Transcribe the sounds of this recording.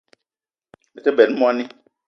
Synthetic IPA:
ɛ˨ke˦bɛ˨n̩˦mũ˦a˦nɪ̃˦

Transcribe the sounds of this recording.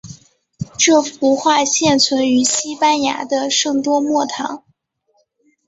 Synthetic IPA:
ʈ͡ʂɤ˥˩fu˧˥xwa˥˧ɕjɛ˥˩nt͡sʰwə˧˥ny˧˥ɕi˥pa˥nja̰˧˥d̪ə˧ʂɤ˥˩ŋt̪wɔ˥mwɔ˥˩t̪ʰɑ˧˥ŋ

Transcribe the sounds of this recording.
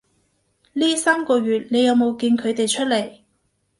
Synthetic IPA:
liː˥saː˥mkɔː˧ɥyː˨t̚ne˨˧jɐ˨˧wmo˨˧wkiː˧nkʰɵ˨˧ɥt̪e˨jt͡ʃʰɵ˥t̚le˨˩j

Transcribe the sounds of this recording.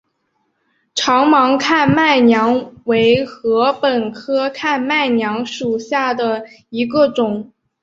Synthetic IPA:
ʈ͡ʂʰɑ˧˥ŋmɑ˧˥ŋkʰa˥˩nma˥˩ɪnjɑ˧˥ŋwe˧˥ɪxɤ˧˥pə˨˩nkʰɤ˥kʰa˥˩˧nma˥˩ɪnjɑ˧˥ŋʂu˨˩ɕja˥˩d̪ə˩ | i˧˥ɡə˧ʈ͡ʂʊ˨˩˦ŋ

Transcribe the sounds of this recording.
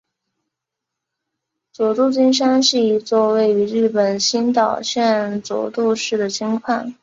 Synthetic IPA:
t͡swɔ˨˩t̪u˥˧t͡ɕi˥nʂ̬a˥nʂɻ̩˥˩i˧˥t͡swɔ˥˧we˥˩ɪy˧˥ɻɻ̩˥˩pə˨˩nɕi˥nt̪ɑ˨˩ʊɕjɛ˥˧nt͡swɔ̰˨˩t̪u˥˧ʂɻ̩˥˩d̪ə˩t͡ɕʰi˧˥ŋkʰwa˥˩n

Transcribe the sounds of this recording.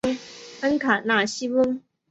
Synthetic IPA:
ŋfə˥ŋkʰa˨˩na˥˩ɕi˦wu˦˥ŋ

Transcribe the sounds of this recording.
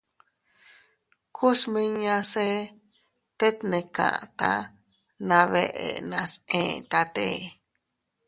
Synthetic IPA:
kʰu˦smĩ˧ɲã˧se˦ | t̪e˦t̪nẽ˨kã̰˨ʔt̪ã̰˦ | nã˧βe˧ʔḛ˨nã˧sẽ˨t̪a˧t̪e˦

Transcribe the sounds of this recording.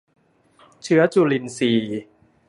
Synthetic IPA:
t͡ɕʰɯ˦˥ɐt͡ɕu˧li˧˩nsiː˨˩

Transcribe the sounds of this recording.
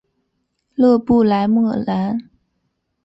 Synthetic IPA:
lɤ˥˧pu˥˩la˧˥ɪmɤ˥˩la˧˥n

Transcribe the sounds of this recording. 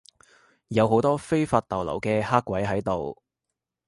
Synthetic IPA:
jɐ˨˧wɦo˨˥wt̪ɔː˥fe˥jfaː˧t̚t̪ɐ˨wlɐ̰˨˩wkɛː˧haː˥kːwɐ˨˥jɦɐ˨˥jt̪o˨w

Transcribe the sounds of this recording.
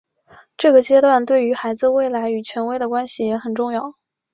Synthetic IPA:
ʈ͡ʂɤ˥˩ɡə˩t͡ɕjɛ˥t̪wa˥˧nt̪we˥˩ɪy˧˥xa˧˥ɪd͡zɹ̩˧we˥˩ɪla˧˥ɪy˨˩t͡ɕʰɥɛ˧˥nwe˥ɪd̪ə˨kwa˥nɕi˨˩jɛ˧˥xə˨˩nʈ͡ʂʊ˥˧ŋjɑ˥˩ʊ

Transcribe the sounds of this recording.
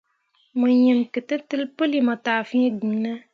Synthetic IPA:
mɨ˨jɛ˨mkɨ˨tɨ˦tɨ˦lpɨ˦li˨ma˨taː˨fĩ˦e˦ɡi˨nə˦

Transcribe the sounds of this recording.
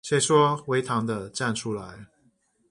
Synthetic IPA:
t͡ɕʰɛ˥˩ʂwɔ˥˦we˧˥ɪt̪ʰɑ˧˥ŋd̪ə˧ʈ͡ʂa˥˨nʈ͡ʂʰu˦˥la˧˦ɪ

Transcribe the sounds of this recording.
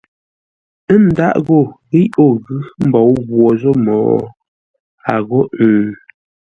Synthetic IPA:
ə˦n˦da˦ʔɣo˦˨ɣi˦jo˦˨ɣɯ˦m̩˦bɔ˨˦wɣwɔ˨zo˦mɔ̰ː˨ | a˨ɣo˦ʉ˨

